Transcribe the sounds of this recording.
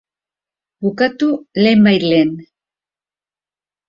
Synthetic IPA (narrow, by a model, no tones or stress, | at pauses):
bukat̪ulemajlen